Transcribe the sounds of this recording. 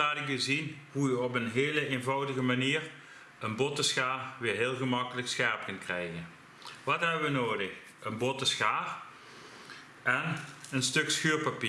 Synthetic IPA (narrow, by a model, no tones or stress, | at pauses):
aːdɪkəzinɦujəɔpənɦeːləeːnvɑwdəɣəmaniːɹ | ənbɔtəsxaːrʋɪːɹɦeːlˠɣəmɑkələksxɛɹp̚kənkrɛjɣən | ʋɑtɦɛbəʋənoːdəx | ənbɔtəsxaːr | ɛnənstɵksxyːɹpɑpiː